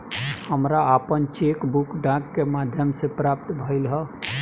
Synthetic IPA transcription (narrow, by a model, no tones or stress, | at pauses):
həmɾaːpənt͡ʃekbukɖãkːemad̪ʱjəmsẽpɾap̚t̪bʱəɪlɦə